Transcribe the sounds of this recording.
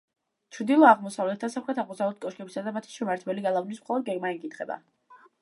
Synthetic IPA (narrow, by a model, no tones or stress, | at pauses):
t͡ʃʰɾd̪ilˠɔaʁmɔsavlɛt̪̚ʰd̪asaχɾɛt̪ʰaʁmɔsavlɛt̪̚kʼɔʃkʼɛbisad̪amat̪ʰi̥ʃɛmaɾt̪ʰbɛliɡalˠavnis̬mχɔlˠɔd̪̚ɡɛɡmaɛkʼit̪ʰχɛba̰